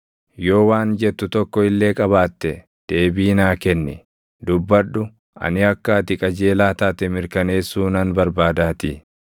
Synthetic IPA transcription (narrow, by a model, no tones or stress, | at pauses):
jo̞ːwaːnd͡ʒɛt̪ːʊt̪ɔkːɔɪlːe̞ːkʼɐβaːt̪ːɛ | d̪̥e̞ːbiːnaːkɛnːɛ | d̪ʊbːɐᶑʊ | ɐ̰nɪɐkːaːt̪ɪkʼɐd͡ʒe̞ːlaːt̪aːt̪ɛmɪɾkɐne̞ːsːuːnɐnbɐɾbaːd̪aːt̪ɪ